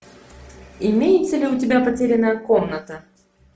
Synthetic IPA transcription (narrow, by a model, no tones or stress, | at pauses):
ɪmʲejɪt̪səlʲɪʊtʲɪbʲapɐtʲeɾʲɪnːəjəkomnət̪ə